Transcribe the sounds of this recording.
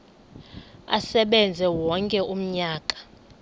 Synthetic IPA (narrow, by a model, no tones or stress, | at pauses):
a̰sɛɓɛnd͡zʱɛwɔŋkʼɛʔum̩ɲaːkʼḁ